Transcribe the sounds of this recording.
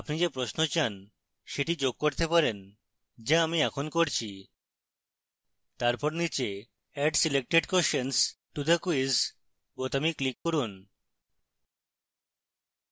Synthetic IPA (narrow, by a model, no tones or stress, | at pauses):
apnid͡ʑepɾosnot͡ɕan | ʃeʈid͡ʑoɡ̚koɾt̪epaɾen | d͡ʑaamiɛkʰonkoɾt͡ɕʰi | t̪aɾpɔɾnit͡ɕe | ɛɖsilek̚ʈeɖkoʃensʈud̪akuiz | bot̪amiklikːoɾun